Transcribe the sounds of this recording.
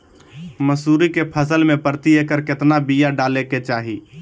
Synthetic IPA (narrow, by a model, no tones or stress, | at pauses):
məsuːɾikepʰəsəlmẽpəɾt̪iekəɾkɪt̪nabijaɖaːleket͡ʃaːɦiː